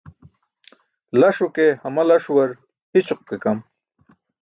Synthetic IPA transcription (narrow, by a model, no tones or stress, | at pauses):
lɐʂukehɐmɐlɐʂuwɐɾ | hit͡ɕuq̚kekɐm